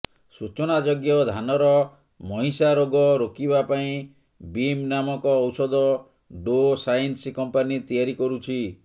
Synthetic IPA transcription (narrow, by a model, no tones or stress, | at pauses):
sut͡ʃɔnad͡ʒɔɡjɔd̪ʱanɔɾɔ | mɔɦĩsaɾoɡɔɾokibapaĩ | bimnamɔkɔːwsɔd̪ɔ | ɖosajnskɔmpanit̪ijaɾikɔɾut͡ʃʰi